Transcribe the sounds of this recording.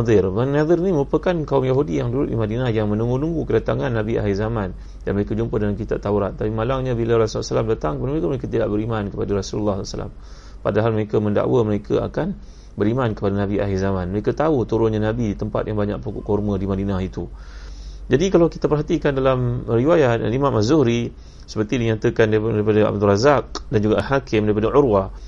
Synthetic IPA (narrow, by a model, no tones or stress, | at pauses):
dɪrmanad̪ɪrniməɾupəkankaumjaɦudijaŋduɾʊt̪̚dimadinahjaŋmə̃nuŋɡunuŋɡukədat̪aŋanːãbia̰ɦizamãn | danməɾekad͡ʒumpədalamkit̪aʔ̚t̪auɾat̪̚ːapimalaŋɲabilaɾasulːsəlamdat̪aŋkəpadaməɾekaməɾekat̪idaʔbəɾimankəpadaɾasullːaslsə̰la̰m | pa̰daɦalməɾekamənda̰ʔwəməɾekʰa̰a̰kan | bəɾimankəpadanãbiʔa̰ɦizamãnməɾekat̪aut̪uɾʊnɲanabiit̪əmpa̰t̪̚jaŋbaɲa̰k̚pukṵʔkormədimadinahit̪u | d͡ʒadikalawkit̪apərɦat̪ikandalamriwajat̪̚a̰limãmazuhɾi | sə̥pərt̪idiɲat̪əkandaɾipadaa̰b̚d̪urazak̚dand͡ʒuɡaalɦakɪmdaɾipadaʕʊɾwah